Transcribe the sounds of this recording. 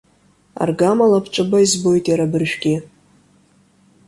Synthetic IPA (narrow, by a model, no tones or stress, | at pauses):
a̰rɡamalapʰt͡ʃʷʼɨbaizbo̞jtʼjaɾabɨrʃᶣɡʲi